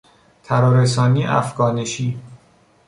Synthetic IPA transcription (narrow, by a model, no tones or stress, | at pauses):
t̪ʰæɾɒːɾesɒːniːʔæ̰fɡ̥ɒːneʃiː